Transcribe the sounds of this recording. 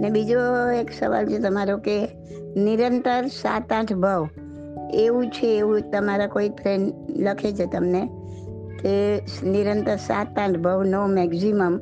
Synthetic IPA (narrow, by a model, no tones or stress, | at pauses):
nebid͡ʒoeksəʋa̰lt͡ʃʰet̪əmaɾoke | niɾənt̪əɾsa̰t̪ãʈʰbʱəʋ | eʋũt͡ʃʰeːʋũt̪əmaɾakoipʰɾenləkʰet͡ʃʰet̪əmne | keniɾə̃nt̪əɾsa̰t̪ãʈʰbʱəʋnomɛksiməm